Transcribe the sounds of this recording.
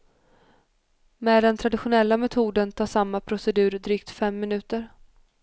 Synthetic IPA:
meːd̪ɛnt̪ʰɾad̪ɪɧʊnɛlːamɛt̪ʰuːd̪ənt̪ʰɑːʂamːapʰɾʊsɛd̪ʉ̟ːɾd̪ɾyːk̚t̪fɛmːɪnʉ̟ːt̪əɾ

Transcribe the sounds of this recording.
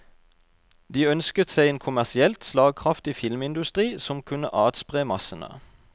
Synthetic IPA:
d̪iːœnskət̪sæɪeːnkʰʊmæʁsɪɛlt̪slɑːɡ̚kʰʁɑft̪ifɪlmɪnd̪ʉst̪ʁiːsɔmkʰʉnə̰ʔɑːd̪spʁeːmɑsənə̰

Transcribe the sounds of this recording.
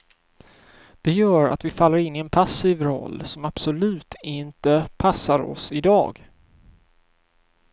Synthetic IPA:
d̪̥ɛjœːɾa̰t̪vɪfalːəɾɪnːɪɛnpʰasiːvɾɔ̰lːsɔmab̥sʊlʉ̟ːt̪ʰɪnt̪əpʰasːaɾɔ̰sɪd̪ɑ̰ːɡ

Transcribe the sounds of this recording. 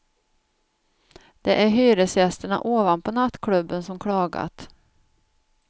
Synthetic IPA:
d̪̥ɛʔæɾɦyːɾəsjɛst̪əɳa̰ʔoːvanpʰɔnat̪ːkʰlɵbːənsɔmkʰɽɑːɡa̰t̪

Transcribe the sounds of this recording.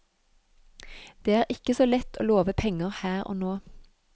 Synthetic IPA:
d̪̥eːæːʁɪkəsoːlɛt̪ʰo̰ːloːʋəpʰɛŋəʁhæːʁo̰ːnoː

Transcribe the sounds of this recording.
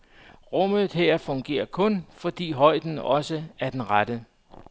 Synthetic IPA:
ʁɔmð̩ˠɦeɐ̰fɔ̽ŋɡ̥e̝̰ːɐkʰɔ̽nfɒ̽d̥ḭːɦɒ̽ɪ̰d̥n̩ɒ̽səæɐd̥enʁad̥ə

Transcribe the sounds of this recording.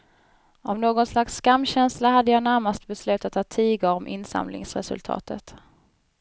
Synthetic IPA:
ɔmnoːɡɔnslaksːkamːɕɛnslaɦad̪ːəjɑːnæɾmast̪bɛslʉ̟ːt̪at̪hɑːt̪ʰiːɡaɾɔmʔɪnːsa̰mlɪ̰ŋsɾɛ̰sɵ̰lt̪ʰɑ̰ːt̪ʰət̪

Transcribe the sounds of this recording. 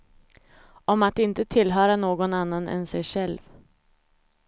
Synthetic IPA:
ɔmat̪ɪnt̪ət̪ʰɪlɦœːɾanoːɡɔnanːanɛ̰nsɛjɧɛlv

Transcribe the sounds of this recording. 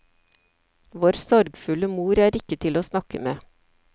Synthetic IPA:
ʋoːɾsɔɾɡfʉləmuːɾæːɾɪkət̪ʰɪloːsnɑkə̰meː

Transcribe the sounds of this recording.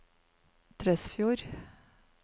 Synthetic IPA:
t̪ʰɾɛsfjuːɾ

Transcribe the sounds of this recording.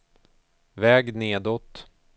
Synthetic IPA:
vɛːɡneːd̪ɔt̪

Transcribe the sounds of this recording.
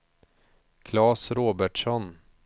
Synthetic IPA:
kʰlɑːsɾoːbæʈʂɔn

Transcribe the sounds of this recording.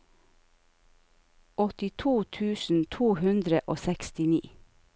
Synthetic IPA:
ɔt̪ɪt̪ʰuːt̪ʰʉːsn̩t̪ʰuːhʉnd̪ɾəʔoːsɛkst̪ɪniː

